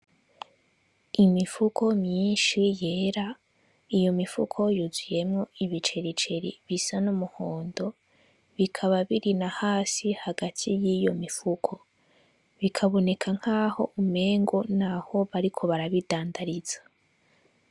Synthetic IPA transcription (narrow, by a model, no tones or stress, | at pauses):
imifukʰo̞mɲiːnʃije̞ːɾa | ijo̞mifṵkʰo̞juzuje̞mŋo̞iβit͡ʃe̞ɾit͡ʃe̞ɾḭβisanumuhoːndo̞ | βikʰaβaβiɾinahaːsihaɡatʰijijo̞̰mifukʰo̞ | βikʰaβo̞ne̞kʰaŋ̥haːho̞ʔume̞ːŋɡonaho̞βaɾikʰo̞βaɾaβidaːndaɾiz̥ḁ